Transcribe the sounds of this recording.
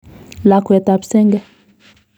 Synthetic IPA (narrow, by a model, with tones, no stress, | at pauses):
la˨kwɛ˨ta˨psɛ˦ŋɡɛ˦